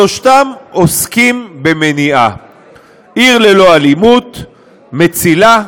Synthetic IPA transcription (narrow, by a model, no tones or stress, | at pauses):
oʃt̪amoskimbemeniʔa | ʔiʁlelo̞alimut̪ | me̞t͡sila